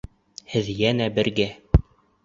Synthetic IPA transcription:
hɘðjænæbɘ̆ɾɡæ

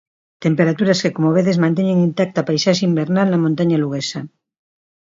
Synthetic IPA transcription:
t̪empeɾat̪uɾaskekomoβ̞eðezmãnt̪̬eɲeŋint̪ak̚t̪apajsaʒimbeɾnalnamõnt̪aɲaluɣ̞esa

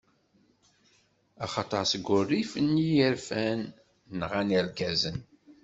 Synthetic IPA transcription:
ɑχɑt̪ˤəɾsəɡʷːʊrːifənːijəɾfænː | ʁænilkæzən

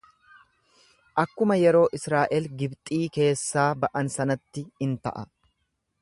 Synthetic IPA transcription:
ʔɐkːʊmɐjɛɾo̞ːʔɪsɾaːʔɛlɡɪbt̪ʼiːke̞ːsːaːbɐʔɐnsɐnɐt̪ːɪhɪnt̪ɐ̰ʔɐ̰

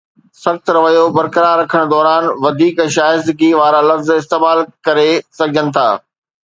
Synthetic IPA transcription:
sɐxt̪ɾɐʋəjobɐɾkəɾaːɾːɐkʰəɽ̃d̪ɔːɾaːnʋɐd̪ʱiːkʃaːɪsd̪ɪɡiʋaːɾalɐfzɪst̪eːmaːlkɐɾesɐɡʱɪd͡ʑənɪ̆t̪ʰa̰ː

